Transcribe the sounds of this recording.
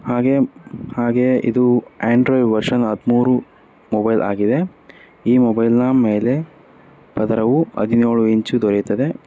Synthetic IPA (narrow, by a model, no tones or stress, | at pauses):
haːɡehaːɡe̞ʔḭd̪ueːɳɖɾoːjʋɐɾʂɐnɐd̪muːɾu | mɔbɐjlʔa̰ːɡid̪e̞ | iːmɔbɐjlnɐme̞ːle̞ | pɐd̪ɐɾɐʋuɐ̰d̪inoːɭuiɲt͡ʃud̪ɔɾejt̪ɐd̪e̞